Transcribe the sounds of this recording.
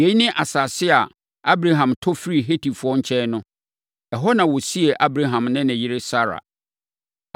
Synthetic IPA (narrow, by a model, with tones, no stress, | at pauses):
je˨˦nɪ̃˦ʔa˨sa˨sɪ˦a˨ | a˦bɾa˦ɦã˨mtʰɔ˦fɾi˨ɦe˦tʰi˨fʊ˦ɔ˦ɲ̩˦t͡ɕʰɛ˦nʊ̃˦ | ɛ˨ɦɔ˦nã˨wɔ˨si˦e˨ʔa˦bɾa˦ɦã˨mnɪ̃˦nɪ̃˨jɪ˦ɾe˦sa˦ɾa̰˨